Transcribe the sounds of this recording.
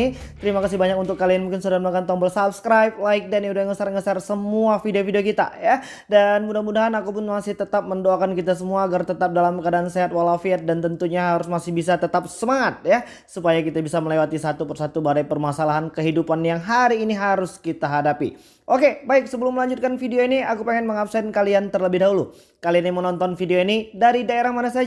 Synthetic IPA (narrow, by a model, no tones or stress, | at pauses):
it̪əɾimakasɪhbaɲakunt̪ʊkːalianmuŋkɪnsudahmnakant̪ɔŋbəlsap̚skɾajp̚laɪk̚daniudajŋəsarŋəsarsəmuafideofideokit̪a̰ja | danmudahmudaɦanakupʊnmasɪht̪ət̪ap̚məndoakankit̪asəmuaːɡart̪ət̪ap̚dalamkadaanseɦat̪̚walafiɛt̪̚dant̪ənt̪uɲaɦaɾʊsmasɪhbisat̪ət̪ap̚səmaŋat̪̚ja | supajakit̪abisaməlewat̪isat̪upərsat̪ubadajpərmasalaɦankəɦidupanjaŋɦaɾiːniɦaɾʊskit̪aɦadapḭ | ʔokebaɪk̚səbəlʊmːəlaɲd͡ʒʊt̪̚kanfideoiniakupeŋɛnməŋap̚sɛnkaliant̪ərləbɪhdaɦulu | kalianamənɔnt̪ɔnfideoinidaɾidaeɾahmanasad͡ʒ